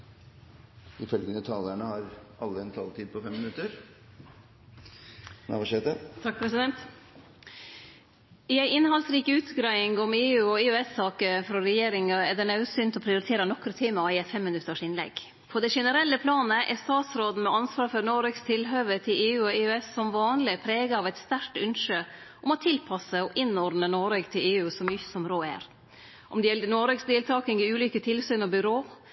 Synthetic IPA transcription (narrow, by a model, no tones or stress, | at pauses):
ɪfœlɡənət̪ʰɑːləɳəhɑɾɑlːəɛnt̪ʰɑlt̪ʰiːd̪̚pʰɔfɛmːɪnʉt̪əɾ | nɑ̰ʋʂeːt̪ət̪ʰɑk̚pʰɾɛsɪd̪ɛnt̪ | ɪæɪɪnhɑlsɾiːkəʉːt̪ɡɾæɪɪŋɔmeːʉːɔɪʉɛsɑːkəfɾɔɾɛjeːɾɪŋɑɛd̪ɛnɑʉsyːnt̪ɔpʰɾɪʊɾɪt̪ʰeːɾənɔkɾət̪ʰiːmɑɪɛt̪fɛmːɪnʉt̪ːəʂɪnlɛ̰ɡ | pʰɔd̪ɛʂɛnəɾɛlːəpʰlɑːnəʔɛst̪ɑːt̪sɾoːd̪n̩mɛɑnsʋɑːɾfɔɾnoːɾøːɡst̪ʰɪlɦøːʋət̪ʰɪleːʉːɔɪʉɛsːɔmʋɑːnlɪpʰɾeːɡəɑːʋɛɪt̪st̪æɾʈʉnʂə | ʔɔmɔt̪ʰɪlpʰɑsəɔʔɪnːɔɾɖd̪nənoːɾøːɡt̪ʰɪleːʉːsɔmjʏsɔmɾoːæ̰ːɾ | ʔɔmd̪ɛjɛlːənoːɾøːksd̪eːlt̪ʰɑːkɪŋɪʉːlyːkət̪ʰɪlsyːnɔbʏɾoː